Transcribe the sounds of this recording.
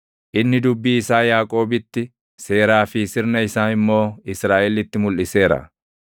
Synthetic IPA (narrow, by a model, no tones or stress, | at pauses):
ʔɪnːɪd̪ʊbːiːɪsaːjaːkʼo̞ːbɪt̪ːɪ | se̞ːɾaːfɪsɪɾnɐɪsaːnɪmːo̞ːɪsɾaːʔɛlɪt̪ːɪmʊlʔɪse̞ːɾɐ̰